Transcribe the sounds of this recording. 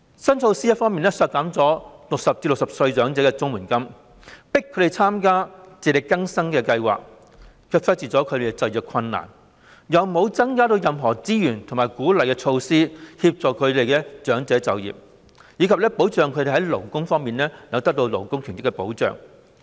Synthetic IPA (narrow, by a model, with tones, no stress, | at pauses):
sɐ˥nt͡ʃʰo˧wsiː˥jɐ˥fɔː˥ŋmiː˨nɛː˥sœː˧t̚kaː˨˥mt͡sɔː˨˥lʊ˨k̚sɐ˨p̚t͡siː˧lʊ˨k̚sɐ˨p̚sɵ˧ɥt͡ʃœː˨˥ŋt͡sɛː˨˥kɛː˧t͡sʊ˥ŋmuː˨˩nkɐ˥m | pɪ˥kʰːɾe˨˩t͡sʰaː˥mkaː˥t͡siː˨˩t̪e˨˩kɐ˥ŋsɐ˥ŋkɛː˧kɐ˧jwa̰ː˨k̚ | kʰœː˧k̚fɐ˥t̚t͡siː˨˩t͡sɔː˨˥kʰɵ˨˧ɾe˨˩kɛt͡sɐ˨˧jœː˨˩kʰɐ˧nːa̰ː˨˩n | jɐ˨wmo˨˧wt͡sɐ˥ŋkaː˥t̪o˧wjɐ˨mɦɔː˨˩t͡siː˥jyː˨˩nt̪ʰʊ˨˩ŋmaː˨˩jkuː˨˥lɐ˨jkɛː˧t͡ʃʰo˧wsiː˥hiː˧p̚t͡sɔː˨kʰɵ˨˧ɥt̪e˨jkɛː˧t͡ʃœː˨˥ŋt͡sɛː˨˥t͡sɐ˨wjḭ˨p̚ | jiː˨˧kʰɐ˨p̚lɛː˥po˨˥wt͡ʃœː˨ŋkʰɵ˨˧d̪e˨˩hɦɐ˨˥jlo˨˩wkʊ˥ŋfɔː˥ŋmiː˨nlɛː˥jɐ˨˥wt̪ɐ˥k̚t̪o˧wlo̰˨˩wkʊ˥ŋkʰy˨˩ntɪ˥kːɛ˧po˨˥wt͡ʃœ̰ː˨˩ŋ